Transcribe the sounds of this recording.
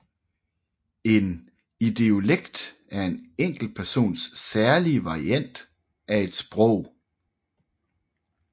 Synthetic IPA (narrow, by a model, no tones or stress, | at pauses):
e̝n | id̥e̝oleɡ̥d̥æɐe̝neŋ̰ɡ̥l̩pʰæɐso̝̰ːnsːæɐliəʋɑ̈ʁiæn̰d̥ | æe̝d̥sb̥ʁɔʊ̰